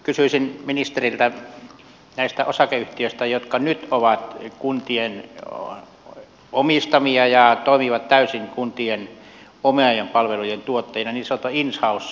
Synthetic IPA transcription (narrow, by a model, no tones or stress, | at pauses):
kysyisinminist̪erilt̪æ | næˑist̪æʔosɑkeyht̪iøˑist̪æjot̪kɑnyt̪oʋɑt̪kunt̪ien | omist̪ɑmiɑjɑt̪oˑimiʋɑt̪t̪æysiŋkunt̪ien | omeɑjempɑlʋelujent̪uot̪ːɑinɑniseot̪oinshɑˑus